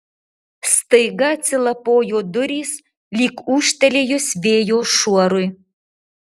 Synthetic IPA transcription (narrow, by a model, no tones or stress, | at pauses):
st̪əjɡɐt͡sʲɪlˠɐpojod̪ʊɾʲis | lʲiːkuʃt̪ɛlʲeːjosβʲeːjoʃuɔɾuj